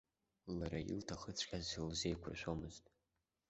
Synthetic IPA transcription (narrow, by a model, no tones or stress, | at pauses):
laɾajḭltʰaχət͡sʷʰɡʲʼazɨlzejkʷʰʊ̰rʃʷᶣomɨztʼ